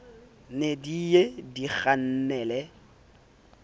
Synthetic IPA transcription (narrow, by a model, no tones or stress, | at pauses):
nedijediɣan̩nɛlɛ